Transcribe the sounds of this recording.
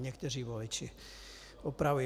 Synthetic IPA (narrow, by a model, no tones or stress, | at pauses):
ɲɛkt̪ɛriːʋɔlit͡ʃi | ɔpɾauj